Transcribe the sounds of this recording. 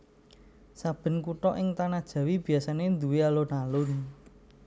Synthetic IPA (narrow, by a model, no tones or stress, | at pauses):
sab̥ə̤nkuʈɔʔɪŋt̪anad̥ʒ̥ä̤wib̥i̤asanend̪uwealonalʊn